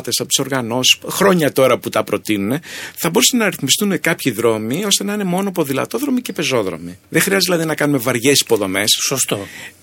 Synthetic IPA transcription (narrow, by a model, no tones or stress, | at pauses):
t̪e̞sɐpot̪i̥so̞ɾɣɐno̞si̥xɾo̞ɲɐt̪o̞ɾɐput̪ɐpɾo̞t̪inune̞θɐbo̞ɾusenɐɾiθmist̪unekɐpçiðɾo̞mio̞st̪e̞nɐine̞mo̞nopo̞ðilɐ̰t̪o̞ðɾo̞mice̞pe̞zo̞ðɾo̞̰miðexɾiɐzt̪ilɐðinɐkɐnume̞vɐɾʝe̞si̥po̞ðo̞me̞ssost̪o